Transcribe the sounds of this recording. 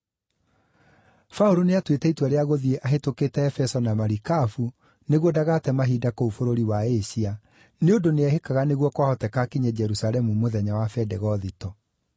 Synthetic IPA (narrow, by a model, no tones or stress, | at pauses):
fauɾoneatwetɛitwaɾeaɣoðieʔaɦetoketɛːfɛsɔnamaɾikafu | neɣwɔdaɣatɛmaɦidakoufoɾoɾiwaeɕia | neodoneɛɦekaɣaneɣwɔkwahɔtɛkakiɲɛd͡ʑɛɾusalɛmumoðɛɲawafɛdɛɣɔðitɔ